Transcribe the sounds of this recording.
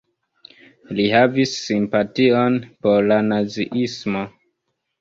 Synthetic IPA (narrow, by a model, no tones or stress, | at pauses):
liɦavisːimpatio̞npoɾlanaziʔismo̞